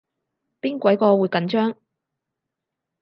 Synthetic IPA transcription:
piː˥nkʷɐ˨˥jkɔː˧wu˨˧jkɐ˨˧nt͡ʃœː˥ŋ

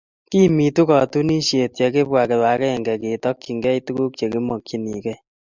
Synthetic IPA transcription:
ki˦mi˨tu˦kɔ˨tu˦ni˦ʃe˨tje˨k̬e˦pwa˨ke˨wa˨kɛ˦ɛ˨ŋɡɛ˨ke˨tɔ˦k̚t͡ʃi˨ŋɡɛ˦i˦tu˦ku˦k̚t͡ʃe˨ki˦mɔ˨kt͡ʃi˨ni˨kɛ˦

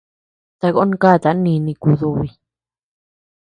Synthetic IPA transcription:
t̪a˧ɣo˦n˦ka˦˨t̪a˨˦nĩ˧nĩ˧ku˧ðu˧βi˧

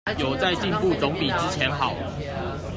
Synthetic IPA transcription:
jo˨˩ʊt͡sa˥˧ɪt͡ɕi˥˧npu˥˨t͡sɔ˨˦ŋpi˨˩ʈ͡ʂɻ̩˦˥t͡ɕʰjɛ˨˦nɦɑ˨˩˦ʊ

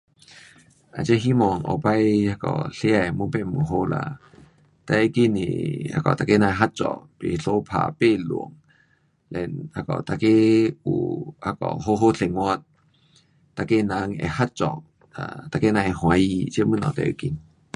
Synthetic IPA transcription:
ʔa˨˩t͡ɕe˧˦ɦi˦˥mɔ˧˩ŋʔɔ̰˨pa˦jha˧˩kɔ̰˧˨˩ɬe˦a˨˩˨mu˧˦pe˧˨mu˨ɦo˧˦la̰˧ | t̪a˧˩ə˧˨ki˧˩˨nḭ˨a̰˧˩kɔ˨t̪a˧ke˦nã˧ɦa˦˥t̚t͡sɔ̰˧˨pe˨ɬʰo˦pʰa̰˧˨pe˥˨lṵ˨əŋ | lɛ˧˨na˧˩kɔ̰˨t̪a˧ke˦u˨˩ha˧kɔ̰˨ɦo˧˦ɦo˦ɬʰe˧˨ŋwɔ˧t̚ | t̪a˧˨ke˦˨na˧˦ŋɛ̰˧˨ha˦˥t̚t͡sɔ˨ | a̰˨t̪a˧˨ke˦nã˧ɛ˧hw̃a˨˧˦i˧t͡ɕə˦mɨ˧˥˨nɔ̃˨˩˨t̪a̰˧˨ʔə̰˧˨ki˧˩n

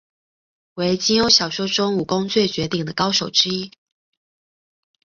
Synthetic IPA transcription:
we˧˥ɪt͡ɕi˥ŋjo˥ʊɕjɑ˨˩ʊʂo˥ʊʈ͡ʂʊ˥ŋu˨˩kʊ˥ŋt͡swɛ˥˩t͡ɕɥɛ˧˥t̪i˥˩ŋd̪ə˦kɑ˥ʊʂo˨˩ʊʈ͡ʂɻ̩˥i˥

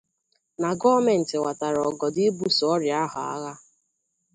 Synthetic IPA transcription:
na˨ɡɔ˦me˨n̩˨tɪ˨wa˨ta˨ɾɔ˨ɡɔ˨dɪ˦bu˦sɔ˦ɾja˦ɦʊ̰˨a̰˦ɣa˦

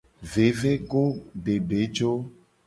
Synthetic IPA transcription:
ve˨ve˦ɡo˦ɖe˨ɖe˨˦d͡ʒo˦

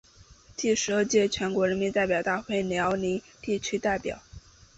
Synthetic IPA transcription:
t̪i˥˩ʂɻ̩˧˥ə˞˥˧t͡ɕjɛ˥˩t͡ɕʰɥɛ˧˥nkwɔ˧˥ɻə˧˥nmi˧˥nt̪a˥˩ɪpjɑ˨˩ʊt̪a˥˧xwe˥˩ɪljɑ˧˥ʊni˧˥ | t̪i˥˩t͡ɕʰy˥t̪a˥˩ɪpjɑ̰˨˦ʊ

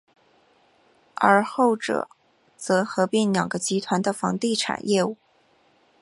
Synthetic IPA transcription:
ə˞˧˥xo˥˩ʊʈ͡ʂɤ̰˨˩˦ | t͡sɤ˧˥xɤ˧˥pi˧˩nljɑ̰˨˩ŋɡə˦t͡ɕi˧˥t̪ʰwa˧˥nd̪ə˧fɑ̰˧˥ŋt̪i˥˩ʈ͡ʂʰa̰˨˩˦njʔɛ˥˧u˥˩˦

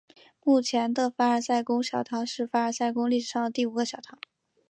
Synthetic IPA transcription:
mu˥˩t͡ɕʰjɛ˧˥nd̪ə˧fa˥ə˞˧˥sa˥˩ɪkʊ˥ŋɕjɑ˨˩ʊt̪ʰɑ˧˥ʊʂɻ̩˥˩fa˥ə˞˧˥sa˥˩ɪkʊ˥ŋli˥˩ʂ̩˨˩ʂɑ˥˩ŋd̪ə˩t̪i˥˩u˨˩ɡə˦ɕjɑ˨˩ʊt̪ʰɑ˧˥

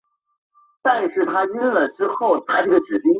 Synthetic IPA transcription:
t̪a˥˧nʂɻ̩˥˩t̪ʰa˥i˥nlə˨˩ʈ͡ʂɻ̩˥xo˥˩ʊt̪ʰa˥ʈ͡ʂɤ˥˩ɡə˩ʈ͡ʂɻ̩˨˩pi˥ŋ

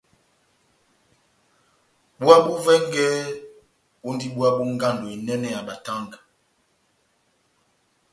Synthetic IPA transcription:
ɓu˦a˦ɓu˦vɛ˦ŋ˦ɡɛ˦ | u˦ndi˦ɓu˦a˦ɓu˦ŋ˦ɡa˦˨ndo˨i˨nɛ˦nɛ˨a˨ɓa˨ta˦ŋɡa˨

